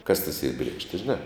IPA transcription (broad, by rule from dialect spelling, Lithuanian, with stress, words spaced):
kɐs tɐs iːr ˈbʲrʲiɛkʃʲtʲɪ ʒʲɪˈnɑː